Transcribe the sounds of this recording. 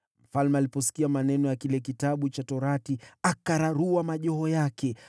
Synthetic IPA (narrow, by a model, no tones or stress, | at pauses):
m̩falmɛalipɔsi̥kiamanɛnɔjakilɛk̬itaɓut͡ʃatɔɾatiakaɾaɾuwamaʄɔɦɔjakɛ